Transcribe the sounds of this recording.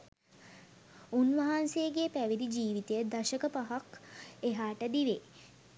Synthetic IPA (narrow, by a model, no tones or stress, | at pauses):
unʋɐɦansejɡeːpæʋid̪id͡ʒiːʋit̪ejəd̪aʃəkəpaɦakeɦaːʈəd̪iʋe